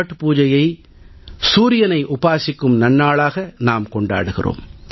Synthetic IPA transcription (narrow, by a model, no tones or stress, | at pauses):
ʈːɯpuːd͡ʒɐjɐɪ | suːɾɪjɐnɐɪʔʊpaːsɪkːɯmnɐnːaːɭaːɣɐnaːmkɔɳɖa̰ːɽɯɣɪ̰rʔo̰ːm